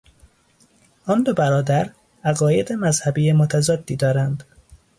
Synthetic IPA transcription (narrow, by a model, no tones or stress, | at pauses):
ɒnd̪obæɾɒːd̪æɾ | æɣɒːje̞d̪emæzhæbiːjemot̪ʰæzɒːd̪ːiːd̪ɒːɾænd̪